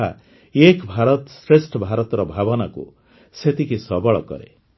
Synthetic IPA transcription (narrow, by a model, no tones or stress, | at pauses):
a̰ | ekbʱaɾɔt̪sɾesʈʰɔbʱaɾɔt̪ɔɾɔbʱabɔnakṵ | set̪ikisɔbɔɭɔ̰kɔ̰ɾḛ